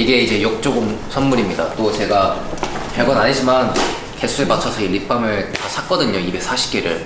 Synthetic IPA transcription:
iɡe̞id͡ʑe̞jok̚t͡ɕ͈oɡɯmsʰʌnmuɾimɲida̰t͈ot͡ɕe̞ɡakaɭɡʌnaɲid͡ʑiman | ke̞sʰueɭmat͡ɕʰʌsʰʌlip͈amɯɭtasʰak͈ʌdɯɲoibe̞ks͈ʰaɕʰi̥k͈eɾɯ̰ɭ

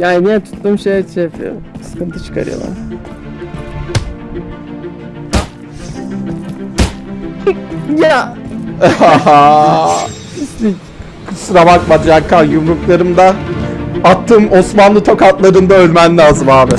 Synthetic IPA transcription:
jaːninijɛt̪ʰu̥t̪ːuːmʃejt͡ʃefḭo̰sɨ̥kɯnt̪ʰɯt͡ʃʰɯ̥kʰa̰ɾɯ̰jo̰lˠa̰m | ja | haa | i | ksuɾabak̚bad̪akʰːajumɾuklˠaɾɯmd̪a | at̪ʰːɯːmo̞smanlˠɯt̪ʰo̞kʰat̪lˠaɾɯnd̪aølʲmænlʲaːzɯmaːbɪ

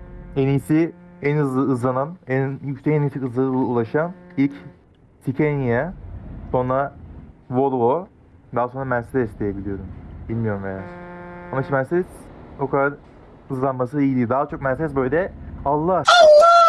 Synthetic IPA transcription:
enijsiɛnɯzlˠɯːzlˠanamɛjykt̪ʰɛnit̪ʰikɯzlˠalˠɯulˠaʃamilʲc | t̪ʰicʰenijaso̞nɾa | volˠvo | d̪aɦaso̞nɾamæɾsezɛsd̪ʲijebilʲijo̞ɾumbilʲmijoɾumvejasamat͡ʃʰmæsɛso̞kʰad̪aɾ | ɯzlˠanmas̬ɯiid̪ʲiːd̪aːat͡ʃʰok̚mæɾsɛsbøjlʲɛalˠːah

